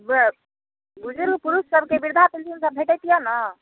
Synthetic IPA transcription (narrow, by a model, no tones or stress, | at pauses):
b | bud͡ʒʱelupuɾussəbʱkebiɾd̪ʱapilt̪insəbbʱeʈət̪ijɔnə